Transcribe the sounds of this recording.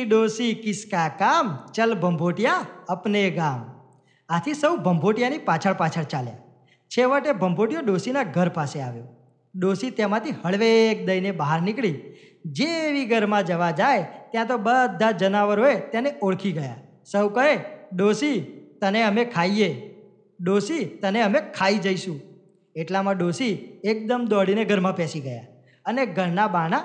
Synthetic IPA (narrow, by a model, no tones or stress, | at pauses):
ɗosikɪskakamt͡ʃəlbʱəmbʱoʈijaəpneɡam | at̪ʰisəwbʱəmbʱoʈjanipat͡ʃʰəɭpat͡ʃʰəɭt͡ʃalja̰ | t͡ʃʰeʋəʈebʱəmbʱoʈijoɗosinaɡʱəɾpaseaʋjo | ɗosit̪emãt̪ʰihəɭʋek̚d̪əjnebaɦaɾnɪkɭi | d͡ʒeʋiɡʱəɾmãd͡ʒəʋad͡ʒajt̪jãt̪̬obəd̪ʱːad͡ʒənaʋəɾɦoet̪janeʔoɭkʰiɡəja | səwkəɾeɗosit̪əneəmekʰaie | ɗosit̪əneəmekʰaid͡ʒəiʃũ | eʈlamãɖosiek̚d̪əmd̪ɔɽineɡʱəɾmãpɛsiɡəja̰ | əneɡʱəɾnabaɽ̃a